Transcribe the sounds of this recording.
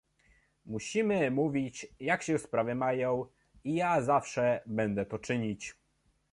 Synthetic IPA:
muɕimɘmuvʲit͡ɕjakɕɛspɾavɘmajɔ̃w̃ | ijazafʂɛbɛnd̪ɛt̪ɔt͡ʂɘɲit͡ɕ

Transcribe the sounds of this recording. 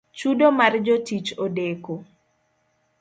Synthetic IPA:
t͡ʃudomard͡ʒotit͡ʃodeko

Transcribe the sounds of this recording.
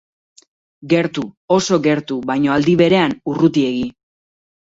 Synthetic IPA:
ɡe̞ɾt̪uoso̞ɣe̞ɾt̪uβajɲo̞ald̪iβe̞ɾe̞anurut̪ie̞ɣi

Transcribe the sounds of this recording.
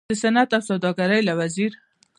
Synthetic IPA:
d̪əsanat̪awsawd̪ɑɡaɾəjlawaziɾ

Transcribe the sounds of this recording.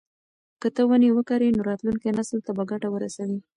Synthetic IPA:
kət̪əwənewəkaɾinoɾɑt̪luŋkenasəlt̪abaɡaʈawəɾasawi

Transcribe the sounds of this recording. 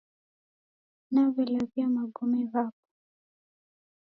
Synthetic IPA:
navɔlaviamaɡɔmɛβap̚ɔ̥

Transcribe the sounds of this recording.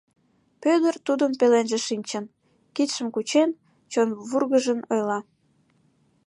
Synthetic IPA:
pød̪ərt̪ud̪əmpelenʒeʃinʲt͡ɕən | kit̪ʃəmkut͡ɕen | t͡ɕonβurɣəʒənojlɑ

